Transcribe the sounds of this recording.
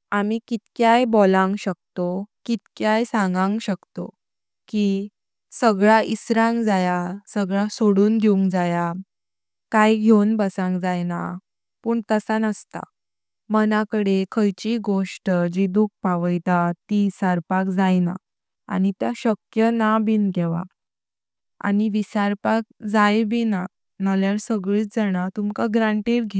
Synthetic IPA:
amikit̪̚kjajbolãŋɡɕək̚t̪okit̪kjajsãŋɡãŋɡɕəkt̪o̰ | ki | səɡɭaʔisɾãŋɡd͡zajasəɡɭasoɽuːnd̪euŋɡd͡zaja | kajɡʱewnbəsãŋkd͡zajna̰ | puːɳt̪əsanəst̪a̰ | mənakəɽekʰəjt͡ɕiɡoʂʈd͡ʑid̪uk̚paʋəjt̪at̪isaɾpakd͡zajna̰ | a̰nit̪jaɕəkjənabiːnɡɛʋa̰ | a̰niʋisaɾpak̚d͡zajbina | naljaɾsəɡɭiːt͡sd͡zaɽ̃at̪umkaɡɾãɳʈiɾɡʱi

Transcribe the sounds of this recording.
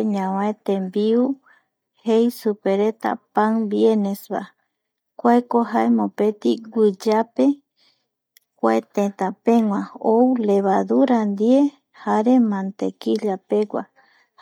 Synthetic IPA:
ɲãwãet̪ẽmbiu | hejsupeɾet̪a̰paŋbienesβa̰ | kʷaekoɦaemõpet̪iɡʷɨd͡ʒape | kʷa̰et̪ẽt̪apẽŋʷãouleβaðuɾand̪ie | haɾe̞mãnt̪ekiʎapeɡʷa̰

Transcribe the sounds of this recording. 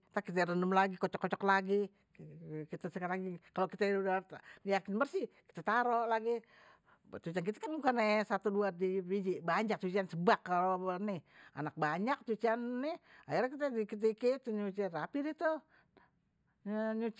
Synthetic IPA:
t̪akit̪ɛɾəndəmlaɡikɔt͡ʃɔkːɔt͡ʃɔklaɡi | kit̪asəkaɾaɡikalokit̪audajakɪnbərsɪki̥t̪at̪aɾoʔlaɡi | t̪ut͡ʃiankit̪akanmukanesat̪uduadibid͡ʒibaɲak̚t͡ʃut͡ʃiansəbakːalonɪha̰nak̚baɲak̚t̪ut͡ʃianːɪajaɾakit̪adikit̪̬iket̪uɲut͡ʃirapidit̪u | ɲut͡ʃ

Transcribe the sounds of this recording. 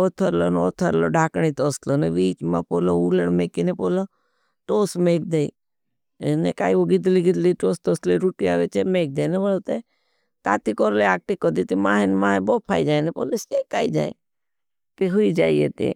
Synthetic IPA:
oːt̪ʰəɾlono̰ːt̪ʰəɾloːɖʱaːkɽ̃it̪ɔːsloneʋiːt͡ʃma̰poːlouːləɽmeːkinepoːlo | ʈoːsmeːk̚d̪ei | nekaːiʋoɡɪd̪liɡɪd̪liʈoːst̪ɔsliɾuʈiaːʋet͡ʃemeːk̚d̪eːneʋəlot̪e | t̪a̰ːt̪ikɔɾleaːk̚ʈikɔd̪it̪imaːɦenmãːboːpʰaːid͡ʒaːnepo̰ːleseːkaːid͡ʒa̰ːe | t̪iɦuid͡ʒaːiḛt̪ḭ

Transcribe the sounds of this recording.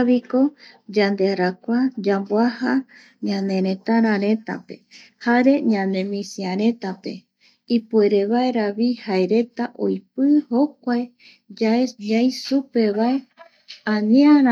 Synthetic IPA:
βiko̞ | d͡ʒand̪eaɾakʷad͡ʒambwaha | ɲãnẽ̞ɾẽt̪aɾãɾẽ̞t̪a̰pe̞̰ | haɾe̞ɲãnẽ̞mĩsiãɾe̞t̪ape̞̰ | ipueɾe̞βaeɾaβihaeɾe̞t̪aʔo̰jpɨhok̚ʷae | d͡ʒaeɲãjsupe̞βae | ãniãɾ

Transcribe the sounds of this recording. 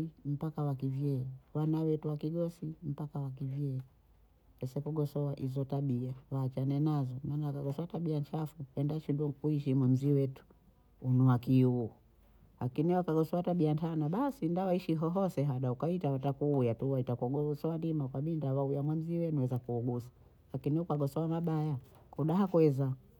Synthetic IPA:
im̩pakawakivjɛwanawɛtuwakiɡɔsim̩pakawak̬ivjɛ | ɛsɛkuɡɔsɔwaʔizɔtaɓiawaːt͡ʃanɛnazɔmaːnawakaɡɔsɔataɓiant͡ʃafuɛndaʃindukuiʃimwɛnziwɛtu̥ | unuwakiu | lakiniwakaɡɔsɔwataɓiantanaɓasindawaiʃiɦɔɦɔsɛɦaɗaukaitawatakuːjatuwaitakuɡɔusɔandimaukaɓindawaujamwan̩ziwɛnuwɛzakuːɡusḁ | lakiniukaɡɔsɔwamaɓaja | kɔɗaɦakwɛza

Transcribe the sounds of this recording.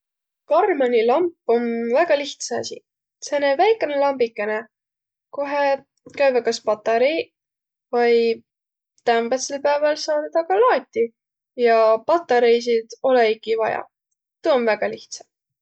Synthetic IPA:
kɑrmɑnʲilɑmpːˑonvæɡ̥ɑliht̪sɑ̰sḭ | senevæjkːˑenelɑmbikːˑe̞ne | koɦe | kæjvekɑspɑt̪ːɑɾej | vɑj | t̪æmbet̪selpæevɑlsɑːd̪ɑd̪̥ɑkɑlɑːt̪ʲːi | jɑpɑt̪ːˑɑɾejs̬id̪̥o̞leikivɑ̰jɑ̰ | t̪uonvæɡ̥ɑliht̪sɑ̥

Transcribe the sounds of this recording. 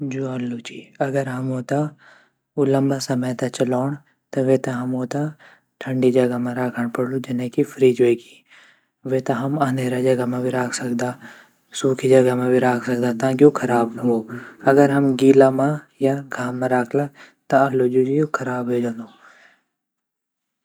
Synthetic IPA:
d͡ʒuɐlːud͡ʒiːɐɡəɾɦɐmɦoːt̪a | ulɐ̃mbasɐməjt̪ɐt͡ʃɐlaːɽ̃ | t̪ɐʋet̪ɐɦɐmɦoːt̪a | ʈʰɐɳɖid͡ʒɐɡamãɾaːkʰəɽ̃pɐɽlud͡ʒɪnẽkifʰɾiːd͡ʒeki̥ | ʋet̪ɐɦɐmãːneːɾad͡ʒɐɡamãbʱiɾaːkʰsɐkd̪a | suːkʰid͡ʒɐɡamãbʱiɾaːkʰsɐk̚d̪at̪ãːk̬iukʰɐɾaːbɦũoɐɡəɾɦɐmɡiːlamã | jaɡʱaːmːãɾaːkʰla | t̪ɐɐlːod͡ʒud͡ʒijukʰɐɾaːbɦeːd͡ʒãnd̪oː

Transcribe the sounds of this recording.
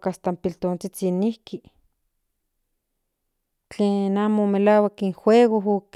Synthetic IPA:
kast̪ampilt̪oːnt͡sit͡sinihki | t͡ɬeːnamomelaːwakiŋxweːɣoɦok

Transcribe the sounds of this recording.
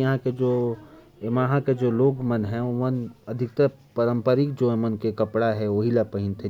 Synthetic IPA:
jɐɦãked͡ʒoː | emaːɦãked͡ʒoːloːɡmənɦɛ̃omənɐd̪ʱɪk̚t̪ə | pəɾə̃mpəɾikd͡ʒoːemənkekəpɽaɦɛoɦilapəɦɪnt̪ʰẽ

